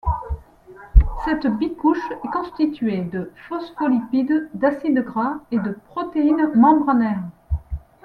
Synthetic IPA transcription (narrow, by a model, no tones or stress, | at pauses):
sɛt̪bikuʃɛkɔ̃st̪it̪ɥed̪əfɔsfɔlipid̪d̪asid̪ɡʁaed̪əpχɔt̪einmɑ̃bʁənɛʁ